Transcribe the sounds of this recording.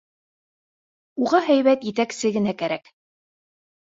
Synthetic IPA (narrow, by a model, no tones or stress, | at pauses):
uʁɑɦæjβæt̪jɘ̆t̪æksɘɡɘ̆nækæɾæk